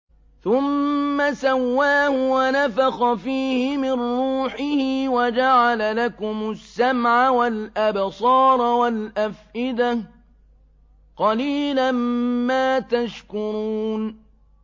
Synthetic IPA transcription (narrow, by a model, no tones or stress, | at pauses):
θʊmːasawːaːhʊwanafaxɑfiːhɪmɪnɾuːħɪhɪwad͡ʒaʕalalakʊmʊsːamʕawalʔabsˤɑːɾˤwalʔafʔɪd̪a | qɑliːlanmaːt̪aʃkʊɾuːn